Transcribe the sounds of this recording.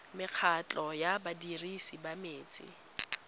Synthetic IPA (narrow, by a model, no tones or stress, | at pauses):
mɪq͡χʰat͡ɬʼɔjabadirisibameːt͡sʼɪ̰